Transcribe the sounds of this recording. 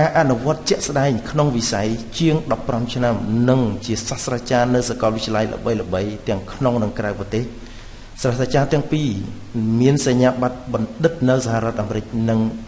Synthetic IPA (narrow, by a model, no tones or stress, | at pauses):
kaːʔanuʋŏət̪̚t͡ɕɛ̆əʔsɗaɛŋkʰnoŋʋisajt͡ɕiəŋɗɑpːramt͡ɕʰnamnɨŋt͡ɕiəsahsraːt͡ɕaːnɨwsakɑlʋɨt̪̚t͡ɕiəlajlə̰ɓəjləɓəjt̪ɛ̆əŋkʰnoŋnɨŋkraɛprɑt̪eːh | srasat͡ɕaːt̪ɛ̆əŋpiː | miənsaɲaːɓat̪̚ɓɑnɗɨt̪̚nɨwsaɦaɾɔ̆ət̪̚ʔaːmɾɨk̚nɨŋ